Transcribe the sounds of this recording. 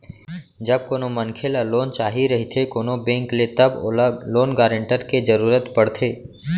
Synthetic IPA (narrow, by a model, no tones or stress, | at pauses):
d͡ʒəb̚koːnomənkʰelaloːnt͡ʃaːɦiɾɐɦit̪ʰekoːnobẽːŋklet̪əbloːnɡaːɾə̃ɳʈəɾked͡ʒəɾuːɾət̪pəɽt̪ʰeː